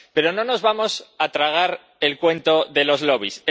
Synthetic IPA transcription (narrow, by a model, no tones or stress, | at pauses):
pe̞ɾo̞no̞no̞zβamo̞sat̪ɾaɣ̞aɾ | e̞lkwe̞nt̪o̞ðe̞lo̞zlo̞β̞is